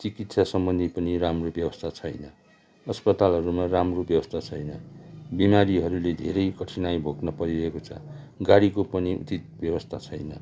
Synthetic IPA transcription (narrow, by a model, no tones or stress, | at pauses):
t͡sikit̪sasʌmbʌnd̪ʱipʌniɾamrobjʌbʌst̪ʰat͡sʰʌjnʌ | ʌspʌt̪alɦʌɾumaramrobjʌbʌst̪ʰat͡sʰʌjnʌbimaɾiɦʌɾuled̪ʱeɾʌjkʌʈʰinajbʱoknʌpʌɾiɾʌɦekot͡sʰʌ̰ | ɡaɽikopʌniṵt͡sit̪̚bjʌwʌst̪ʰat͡sʰʌjnʌ